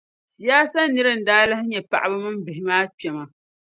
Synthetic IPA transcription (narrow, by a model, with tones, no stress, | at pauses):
sjaː˦sa˦nɨ˦ɾɨ˦n̩˨daː˦lɨ˦hɪ˦ɲɛ˨pa̰˨ʔa˨bɨ˦mɨ˦m˦bɪ˨ɦɪ˨maː˦t͡ʃɛ˨ma˨